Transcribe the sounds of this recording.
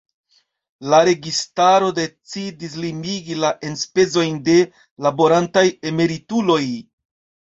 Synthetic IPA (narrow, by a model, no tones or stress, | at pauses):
laɾe̞ɡistaɾo̞de̞t͡sidis̬limiɡilaʔe̞nspe̞zo̞jnde̞ | labo̞ɾantaje̞me̞ɾitulo̞j